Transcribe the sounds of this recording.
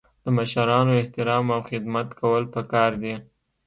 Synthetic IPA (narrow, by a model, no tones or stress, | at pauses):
d̪̥əmaʃaɾɑnoɪht̪ɪɾɑmawxɪd̪mat̪kawəlpəkɑɾd̪i